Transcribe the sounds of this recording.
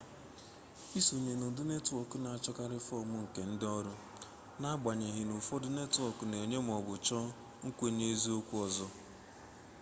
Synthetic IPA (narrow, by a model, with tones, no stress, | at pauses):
i˦su˨ɲe˨nʊ˨dʊ˦ne˦tʊ˨ɔ˨kʊ˦na˨a˨t͡ʃɔ˦ka˦ɾɪ˦fɔ˦˨mʊ˦ŋ̩˨ke˨n̩˦dɪ˦ɔ˦ɾʊ˦ | na˦ɡ͡ba˨ɲe˨ɦɪ˨nʊ˨fɔ˦dʊ˦ne˦tʊ˨ɔ˨kʊ˨ne˨ɲe˦m̩˨ɔ˨bʊ˨t͡ʃɔ˦ | ŋ̩˦kʷe˦ɲe˦e˦zi˦o˦kʷu˦ɔ˨zɔ˦